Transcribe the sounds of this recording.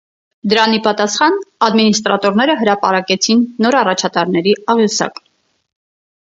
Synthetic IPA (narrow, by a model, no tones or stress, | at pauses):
d̪əɾɑnipɑt̪ɑsχɑnɑd̪minist̪ɾɑt̪ɔɾnɛɾəɦəɾɑpɑɾɑkɛt͡sʰinːɔɾɑrɑt͡ʃʰɑt̪ɑɾnɛɾiɑʁjusɑ̰k